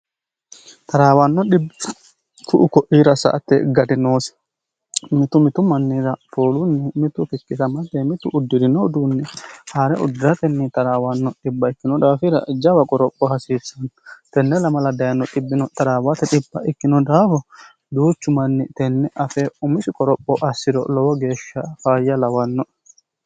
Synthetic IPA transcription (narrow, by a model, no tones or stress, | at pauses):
t̪aɾawanːɔɗibː | fuʔukɔʔiɾasa̰ʔt̪ɛɡadɛnoːsɛ̥ | mit̪umit̪umanːiɾapʰoːlunːimit̪ufikːisamat̪ːɛmit̪ṵʔːdːiɾinɔd̪unːihɐɾɛʔʊ̰d̪ɪɾɐt̪ɛnːɪt̪ɐɾaːwɐnːɔᶑɪbːɐɪkːɪnɔd̪aːfɪɾɐ̰d͡ʒɐwɐkʼɔɾɔpʼːɔhɐsiːsːɐnɔt̪ɛnːɛlɐmɐlɐd̪ɐjɐnːɔᶑʼɪbːɪnɔt̪ɐɾaːwat̪ɛᶑɪbːɐʔɪkːɪnɔd̪aːfɔ | d̪uːt͡ʃːʊmɐnːɪt̪ɛnːɛʔɐfɛʊmɪsɪkʼɔɾɔpʼːɔʔɐsːɪd̪ɔ̰lɔwɔɡe̞ːʃːɐfaːjːɐlɐwɐnːɔ